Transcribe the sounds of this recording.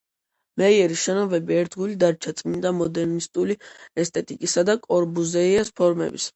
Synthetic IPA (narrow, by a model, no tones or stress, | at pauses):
mɛiɛɾiʃɛnɔvɛbiɛɾd̪ɡulid̪aɾt͡ʃʰat̪sʼmind̪amɔd̪ɛɾnist̪ʼuliɛst̪ʰʼɛt̪ʼikʼisad̪akʼɔɾbuzɛiɛspʰɔɾmɛ̰bḭs